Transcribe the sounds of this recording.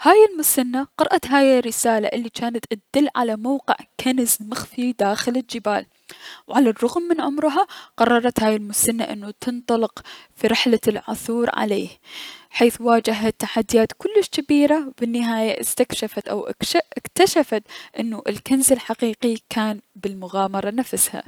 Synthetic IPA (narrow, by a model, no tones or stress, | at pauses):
haːjɪlmʊsanːaqɑɾˤʔat̪ɦaːjɪrːɪsaːla̰ʔɪlːit͡ʃaːnat̪ʔad̪̥ɪlːʕa̰lamawqɪʕkʰanzmɪxfid̪aːxɪlɪld͡ʒɪba̰ːl | wʕalarˤːʊɣmːɪnʕʊmɾɦaqɑrˤːɑɾˤɑt̪haːjɪlmʊsanːa̰ʔɪnːut̪ɨnt̪ˤɑlɪqfiɾɪħlalʕʊ̰θuːɾʕa̰leːhħeːθwaːd͡ʒaɦat̪ːaħad̪ːɪjaːt̪kʊlːɪʃkabiːɾabɪnːɪɦaːjaʔɪst̪akʃafat̪ʔawʔʔɪkt̪aʃafat̪ʔɪnːuʔɪlkanzɪlħaqiːqikʰaːnbɪlmʊɣaːmɑɾˤɑnafsha̰